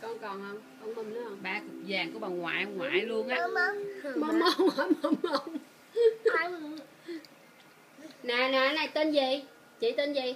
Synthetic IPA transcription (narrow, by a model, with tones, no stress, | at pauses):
kɔ˧˩nkɔ˨˩nhəː˧ŋ͡mkɔ˧˩nmə˧˩mlʊ˨˦hə˧wɓaː˧kɨ˨˩k̚zaː˨˩ŋku˧˩əɓa˨˩ŋwa̰ː˧˨jŋwa̰ː˨jlu˧əŋnʔaː˧mɔ˨˦mə˧ŋə˧˨˦mə˧nmə˧n | naː˨naː˨na˨˩jt̪e˧nzi˨˩ | t͡ɕḭ˧˨˦t̪e˧nzi˨˩